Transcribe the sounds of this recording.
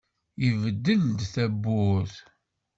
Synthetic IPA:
jəvəd̪ːəld̪θæbːʊθ

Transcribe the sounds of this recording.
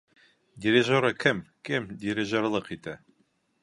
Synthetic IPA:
dʲɪɾʲeʒoɾɤkɘmkɘmdʲɪɾʲɪʒorlˠɤqit̪æ

